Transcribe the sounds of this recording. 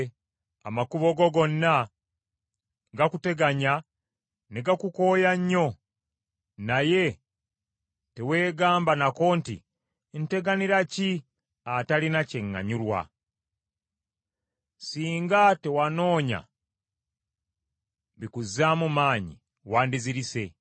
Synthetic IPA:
a̰makuβo̞ɡo̞ɡo̞nːa | ɡakute̞ɡaɲa | neɡakuko̞ːjaɲːo̞ | naje̞ | te̞we̞ːɡaːmbanako̞ːntḭ | nte̞ɡaniɾaci | atalinace̞ŋːa̰ɲuɾwa̰ | siːŋɡate̞wano̞ːɲa̰ | βikuzamumaːɲḭ | waːndiziɾise̞

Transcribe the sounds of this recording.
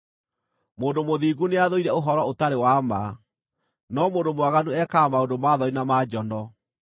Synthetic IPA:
moːndomoðiːɣuneaðoiɾɛoɦɔɾɔotaɾewama | nɔmoːndomwaɣanuɛkamaondomaðɔinamad͡ʑɔndɔ

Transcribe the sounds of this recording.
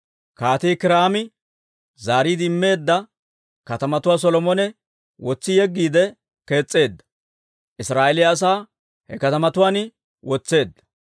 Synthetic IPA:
kaːt̪iːkɪɾaːmɪ | zaːɾiːd̪ɪɪmːe̞ːd̪ːɐ | kɐt̪ɐmɐt̪ʊwaːs̬ɔlɔmɔnɛ | wɔt͡sːɪjɛɡːiːd̪ɛ | ke̞ːt͡sʼːe̞ːd̪ːɐ̥ | ʔɪsɾaːʔɛlɪːs̬aː | hɛkɐt̪ɐmɐt̪ʊwaːnɪ | wɔt͡sːe̞ːd̪ːɐ̥

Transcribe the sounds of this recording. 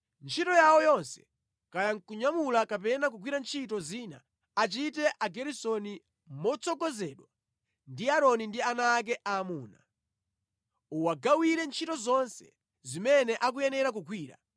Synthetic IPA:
nt͡ʃʰitɔjawɔjɔnsɛ̥ | kajaŋ̩kuɲamulakapɛnak̬ukwiɾant͡ʃʰitɔziːnaː | t͡ʃitɛʔaɡɛɾisɔni | mɔt͡sʰɔɡɔzɛɗwa | ndiaɾɔnindianak̬ɛʔaːmuːna | uwaɡawiɾɛnt͡ʃʰitɔzɔnsɛ̥̰ | zimɛnɛʔak̬ujɛnɛɾak̬ukʰwiːɾa̰

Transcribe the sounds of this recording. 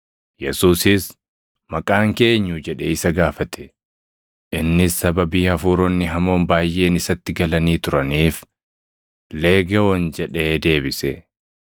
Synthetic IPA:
jɛsuːsɪs | mɐkʼaːŋke̞ːɲːud͡ʒɛᶑɛɪsɐɡaːfɐt̪ʰɛ̥ | ʔɪnːɪsːɐbɐbiːhɐfuːɾɔnːɪɦɐmo̞ːnbaːjʔe̞ːnɪsɐt̪ːɪɡɐlɐniːt̪ʊɾɐniːf | leːɡɐwɔnd͡ʒɛᶑeːd̪e̞ːbɪsɛ

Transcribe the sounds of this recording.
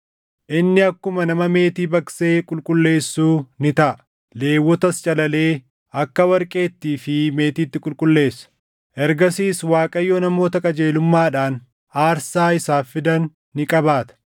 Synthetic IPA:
ʔɪnːɪɐkːʊmɐnɐmɐme̞ːt̪iːbɐkse̞ːkʼʊlkʼʊlːe̞ːsːuːnɪt̪ɐʔɐ | le̞ːwːɔt̪ɐst͡ʃʼɐlɐle̞ː | ʔɐkːɐwɐɾkʼe̞ːt̪ːiːfɪme̞ːt̪iːt̪ːɪkʼʊlkʼʊlːe̞ːsːɐ̥ | ʔɛɾɡɐsiːswaːkʼɐjːonɐmo̞ːt̪ɐkʼɐd͡ʒe̞ːlʊmːaːᶑaːn | aːɾsaːɪsaːfɪd̪ɐnː | ɪkʼɐbaːt̪ɐ̥

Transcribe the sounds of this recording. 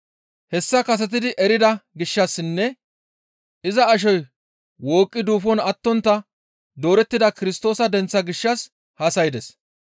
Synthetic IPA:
hɛsːɐkɐs̬ɛt̪̬ɪd̪ɪʔɛɾɪd̪ɐɡɪʃːɐsːɪnːɛ | ɪzɐːʃ̬ɔj | wo̞ːkʼːɪd̪uːfɔnɐt̪ːɔnt̪ːɐ | d̪o̞ːɾɛt̪ːɪd̪ɐkɪɾɪst̪o̞ːsɐd̪ɛnt͡sːɐɡɪʃːɐs | haːsɐjɪd̪ɛs

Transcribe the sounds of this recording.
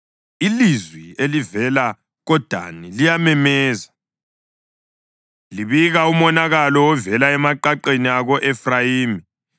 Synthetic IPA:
ilizwielivɛla | ɣɔd̥ʱa̰nilijamɛmɛːza | liβiɣaumɔnaɣalɔwɔvɛlaɛmaǃaǃeniaɣɔʔɛfrajiːmi

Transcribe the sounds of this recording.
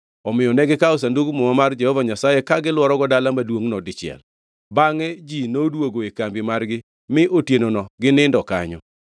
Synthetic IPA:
ɔmɪjɔnɛɡɪkaos̬anduɡumomamard͡ʒɛhɔvaɲasajekaɡɪlwɔɾɔɡɔdalamadwoŋnɔdɪt͡ʃɪɛ̰l | baŋɛd͡ʒinodwoɡoekambɪmarɡɪ | mɪʔotjenonɔɡɪnɪndɔka̰ɲɔ̰

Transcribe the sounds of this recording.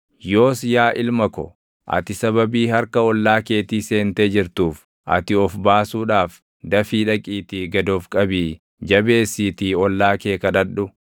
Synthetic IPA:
jo̞ːsjaːʔɪlmɐkɔ̰ | ʔɐ̰t̪ɪsɐβɐbiːhɐɾkɐɔlːaːke̞ːt̪iːse̞ːnt̪eːd͡ʒɪɾt̪uːf | ʔɐ̰t̪ɪɔfbaːsuːᶑaːf | d̪ɐfiːᶑɐkʼiːt̪iːɡɐd̪oːfkʼɐbiː | d͡ʒɐbe̞ːsːiːt̪iːɔlːaːke̞ːkɐᶑɐᶑʊ

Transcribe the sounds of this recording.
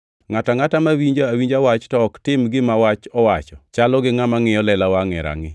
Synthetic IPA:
ŋataŋatamawiɲd͡ʒaawiɲd͡ʒawat͡ʃtɔːktɪmɡɪmawat͡ʃɔwat͡ʃɔt͡ʃalɔɡɪŋamaŋɪɔlɛlawaŋɛ̰ɾa̰ŋɪ

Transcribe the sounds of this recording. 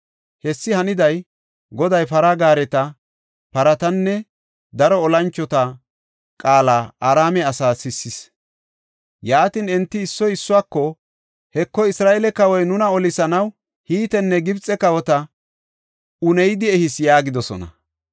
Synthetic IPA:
hɛsːɪhɐnɪd̪ɐj | ɡɔd̪ɐjpɐɾaɡaːɾɛt̪ɐ | pɐɾɐt̪ɐnːɛ | d̪ɐɾɔːlɐnt͡ʃːɔt̪ɐ | kʼaːlaːʔaːɾaːmɛɐsaːsɪsːɪs | jaːt̪ɪnɛnt̪ːɪɪsːɔjɪsːʊwaːkːɔ | hɛkːɔɪsɾaːʔɛlɛkɐwɔjnʊnɐɔlɪsɐnɐw | hiːt̪ɛnːɛɡɪbt͡sʼːɛkɐwɔt̪ɐ | ʊnɛjd̪ɪɛhɪsjaːɡɪd̪ɔsɔ̰nɐ̰

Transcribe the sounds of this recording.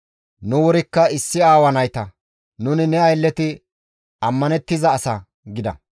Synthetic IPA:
nʊwɔɾɪkːɐɪsːɪaːwɐnɐjt̪ɐ | nʊnɪnɛɐjlːɛt̪ɪ | ɐmːɐnɛt̪ːɪzɐːsɐ | ɡɪd̪ɐ̰

